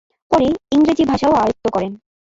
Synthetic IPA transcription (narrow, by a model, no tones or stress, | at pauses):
pɔɾeiŋɾed͡ʑibʱaʃaoajot̪ːokɔɾen